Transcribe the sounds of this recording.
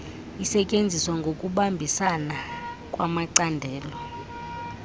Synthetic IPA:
isɛcʼend͡zʱiswaŋɡʱokʼuɓambʱisanakʼwamaǀandʱɛːlɔ

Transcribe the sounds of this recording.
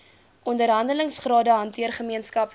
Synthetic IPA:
ʔɔndərɦɐndələŋsχrɑːdəɦɐntiərχəmiənskɐp

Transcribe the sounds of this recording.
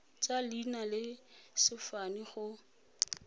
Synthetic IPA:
t͡salinalɪsɪfaniχʊ

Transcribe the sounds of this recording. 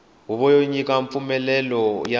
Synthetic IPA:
ɦuβɔjoɲik̬ʼaɱp̪fumɛlɛlɔja

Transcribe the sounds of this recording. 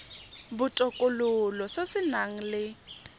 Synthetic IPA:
bʊtʼɔkʼʊlʊlɔsesɪnaŋ̩lɪ

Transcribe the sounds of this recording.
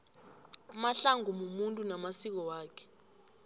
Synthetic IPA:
maɬaŋʱumumuntʼunamasik̬ɔwaːkʰɛ̥

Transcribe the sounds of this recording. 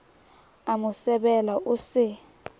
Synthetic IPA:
amʊsɛɓɛlaʔʊsɪ

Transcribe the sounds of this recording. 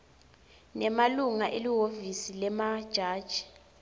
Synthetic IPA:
nɛmaluŋaʔeliɦovisilɛmad̥ʒ̥ʱaːd̥ʒ̥ʱi̥

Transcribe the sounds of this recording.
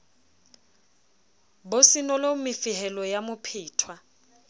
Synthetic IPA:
bosinɔlomɪfɪhɛlɔjamʊpʰiːtʰwa

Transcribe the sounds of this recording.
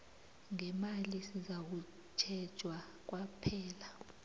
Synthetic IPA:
ŋɛmalisizak̬u | t͡ʃʰɛd̥ʒ̥ʱwa | k̬wapʰɛːla

